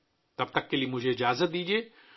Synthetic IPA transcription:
t̪ɐb̚t̪ɐkːeliemʊd͡ʒʱeɪd͡ʒaːzət̪̚d̪iːd͡ʒieː

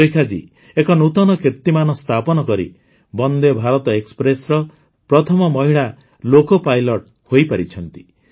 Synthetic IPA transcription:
ejkʰad͡ʒḭ | ekɔnut̪ɔnɔkiɾt̪imanɔst̪ʰapɔnɔkɔɾḭ | bɔnd̪ebʱaɾɔt̪ɔekspɾesɾɔ | pɾɔt̪ʰɔmɔmɔɦiɭa | lokɔpajlɔʈ | hojpaɾit͡ʃʰɔnt̪i

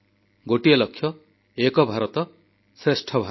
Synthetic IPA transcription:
ɡoʈijelʌkʰːjʌ | ekɔbʱaɾɔt̪ɔ | sɾesʈʰʌbʱa

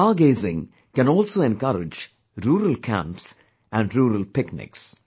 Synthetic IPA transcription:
aːɡeːzɪ̃ŋ | kæ̃nɔːlsoːɛ̃nkʌɾɪd͡ʒ | ɾuːɾəlkʰæ̰̃mps | æ̃ɳɖɾuːɾəlpɪknɪ̰ks

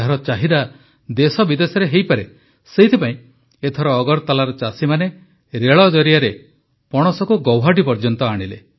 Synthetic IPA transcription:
aɾɔt͡ʃaɦid̪a | d̪esɔbid̪esɔɾeɦejpaɾe | seɦit̪ʰipaĩ | et̪ʰɔɾɔːɡɔɾt̪alaɾɔt͡ʃasimane | ɾeɭɔd͡ʒɔɾijaɾe | pɔɽ̃ɔsɔkuɡɔwɦaɖipɔɾd͡ʒɔnt̪ɔaɽ̃ilḛ

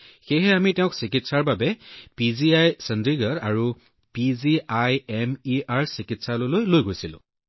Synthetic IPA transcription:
xejɦɛamitɛʊ̃ksikitsaɹbabɛpiziajsɛndɹiɡaɹaɹu | piziajɛmiaɹsikitsalolojlojɡojsilʊ̰̃

